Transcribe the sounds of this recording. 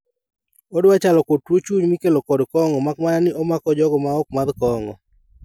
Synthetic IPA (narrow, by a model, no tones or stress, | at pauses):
odwat͡ʃalɔkotwot͡ʃuɲmɪkelokɔdkɔŋɔmak̚mananɪʔɔmakɔd͡ʒɔɡɔmaɔk̚mad̪kɔŋɔ̰